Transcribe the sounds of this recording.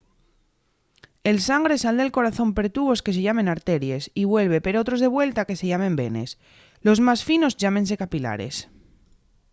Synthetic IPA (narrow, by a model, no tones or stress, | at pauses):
e̞lsaŋɡɾe̞sald̪e̞lko̞ɾaθo̞mpe̞ɾt̪uβo̞ske̞s̬eʝamẽ̞naɾt̪e̞ɾje̞siβwe̞lβ̞e̞pe̞ɾo̞t̪ɾo̞zðe̞βwe̞lt̪akese̞ʝamẽ̞mbe̞̰ne̞̰s | lo̞zmasfino̞zʝamẽ̞ns̬e̞kapila̰ɾe̞̰s